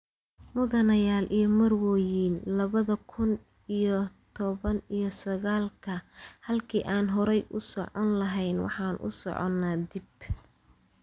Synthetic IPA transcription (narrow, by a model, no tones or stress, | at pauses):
mʊðɐnɐjaːlʔijɞmɐrwɔːjiːnlɐβɐðɐkʰʊn | ijɔt̪ʰɔβɐnijɞsɐɣaːlkʰɐhɐlkʰiːʔaːnɦɔɾɛjʔʊsɔʕɔnlɐɦɛjnwɑ̰ħɑːnʔʊ̰sɔ̰ʕɔ̰nːaːd̪ib